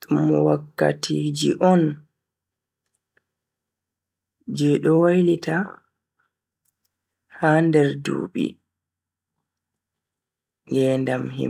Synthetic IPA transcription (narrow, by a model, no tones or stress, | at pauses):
muwakːa̰tʰiːd͡ʒiʔɔn | d͡ʒɛɗɔwajlita | handɛɾdṵːɓḭ | ŋɡɛndamhḭ